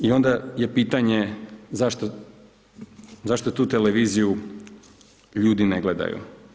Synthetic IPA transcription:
io̞nd̪aje̞piːt̪aɲe̞zaʃt̪o | zaʃt̪ot̪uːt̪eleʋiːziju | ʎuːd̪ineɡled̪a̰jṵ

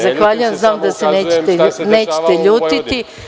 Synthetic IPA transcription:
zaxʋaːʎujamznaːmd̪ase̞neːt͡ɕet̪eneːt͡ɕe̥t̪eʎuːt̪it̪i

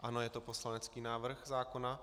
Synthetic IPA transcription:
ʔanojɛt̪oposlanɛt͡skiːnaːvr̩xzaːkona

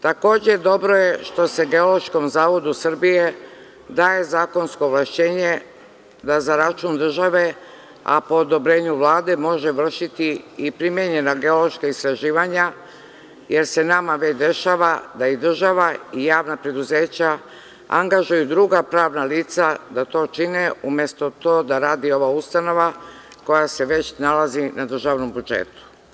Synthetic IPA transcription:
t̪ako̞ːd͡ʑe̞d̪o̞bɾo̞je̞ʃt̪o̞se̞ɡe̞o̞lo̞ʃko̞mzaːʋo̞d̪usr̩bije̞ | d̪aːje̞zaːko̞nsko̞ʋlˠaʃt͡ɕe̞ːɲe̞ | d̪azaɾat͡ʃund̪r̩ʒaʋe̞ | a̰poːd̪o̞bɾe̞ːɲuʋlaːd̪e̞mo̞ʒe̞ʋr̩ʃit̪iipɾimjeɲe̞naɡe̞o̞lo̞ʃkaist̪ɾaʒiːʋaɲa | je̞ɾse̞namaʋet͡ɕd̪e̞ʃaːʋad̪aid̪r̩ʒaʋaijaːʋnapɾe̞d̪uze̞ːt͡ɕa | a̰ŋɡaʒujud̪ɾuɡapɾaːʋnaliːt̪sad̪at̪o̞ːt͡ʃineumje̞st̪o̞t̪o̞ːd̪aɾaːd̪io̞ʋaust̪ano̞ʋako̞jase̞ʋe̞t͡ɕnalazinad̪r̩ʒaʋno̞mbud͡ʒḛːt̪u̥

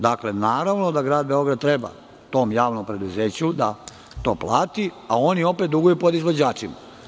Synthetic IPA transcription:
d̪aklenaːɾaʋno̞d̪aɡɾaːd̪̚be̞o̞ɡɾad̪̚t̪ɾe̞ba̰ | t̪o̞ːmjaːʋno̞mpɾe̞d̪uzeːt͡ɕud̪a | t̪o̞ːplˠaːt̪iao̞nio̞pet̪d̪uɡujupo̞d̪izʋod͡ʑaːt͡ʃima̰

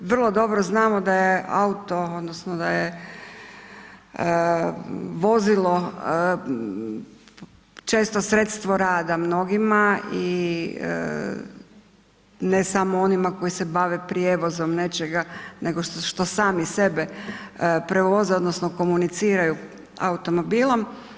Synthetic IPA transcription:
ʋr̩lˠo̞d̪o̞bɾoznaːmod̪aje̞a̰ut̪o̞o̞d̪nosnod̪aje | ə | ʋo̞zilˠo̞ | t͡ʃe̞ːst̪osɾet̪st̪ʋoɾaːd̪amno̞ɡimaḭ | nesamoo̞nimako̞jisebaʋepɾjeʋo̞zomne̞t͡ʃeɡane̞ɡoʃʃt̪o̞saːmise̞be | pɾeʋo̞zeo̞d̪nosnoko̞munit̪siːɾaju | a̰ut̪o̞mo̞biːlˠom

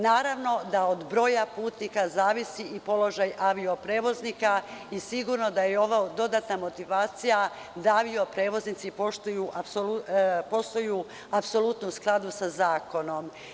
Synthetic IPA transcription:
naːɾaʋno̞d̪aod̪bɾo̞ːjapuːt̪nikazaːʋisiipo̞lo̞ʒajʔaʋio̞pɾe̞ːʋo̞znikaisiɡuɾno̞d̪ajeo̞ʋad̪o̞d̪at̪namo̞t̪iʋaːt̪sija | d̪aaʋiopɾe̞ːʋo̞znit̪sipoʃt̪ujuʔasoupo̞st̪oju | apso̞lˠut̪nusklˠad̪usazaːko̞no̞m

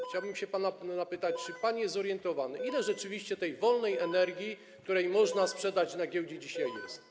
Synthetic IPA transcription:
xt͡ɕawbɘmɕɛpananapɘt̪at͡ɕt͡ʂɘpaɲjɛzɔɾjɛnt̪ɔvanɘʔilɛʐɛt͡ʂɘvʲiɕt͡ɕɛt̪ɛjvɔlnɛjɛnɛɾɡʲji | kt̪uɾɛjmɔʐnaspʂɛd̪at͡ɕnaɡʲjɛwd͡ʑɛd͡ʑiɕajjɛ̰st̪

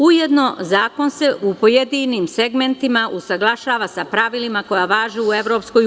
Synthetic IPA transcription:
ujed̪no̞zaːko̞nse̞ʔupo̞jed̪inimse̞ɡment̪imaʔusaɡlˠaʃaːʋasapɾaʋilimako̞jaʋaːʒeue̞ʋɾo̞ːpsko̞j

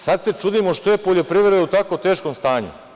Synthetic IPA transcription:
sad̪se̞t͡ʃud̪imo̞ʃt̪ojepoʎʲo̞pɾiʋʲe̞ɾeut̪akot̪e̞ːʃkomst̪aːɲṵ

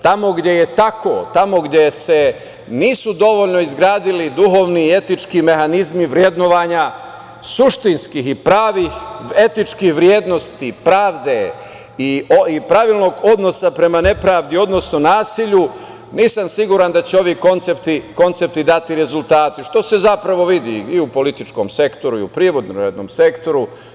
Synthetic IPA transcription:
t̪amo̞ɡd̪je̞je̞t̪ako̞̰t̪amo̞ɡd̪je̞se̞ | niːsud̪o̞ʋo̞ʎno̞izɡɾaːd̪ilid̪uɦo̞ʋnie̞t̪it͡ʃkime̞xanizmiʋɾje̞d̪noʋaːɲa | suʃt̪inskixipɾaːʋixe̞t̪it͡ʃkihʋɾje̞ːd̪no̞st̪ipɾaːʋd̪e̞ | ioipɾaʋilˠno̞ːɡo̞d̪no̞sapɾe̞mane̞pɾaːʋd̪io̞d̪no̞sno̞naːsiʎu | niːsamsiɡuɾand̪at͡ɕeo̞ʋiko̞nt̪sept̪iko̞nt̪se̞p̚t̪id̪at̪iɾe̞zulˠt̪aːt̪iʃt̪o̞se̞zapɾaʋo̞ʋid̪ḭiupo̞lit̪it͡ʃko̞mse̞kt̪o̞ɾuḭupɾiʋo̞d̪noɾad̪no̰mse̞kt̪o̞ɾu

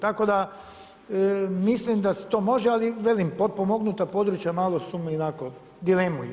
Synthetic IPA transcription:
t̪ako̞d̪a | mislimd̪ase̥t̪oːmo̞ʒɛaliʋelimpod̪̚pomo̞ɡnut̪apo̞d̪ɾut͡ʃjamaːlosumionako | d̪ilemujɛ

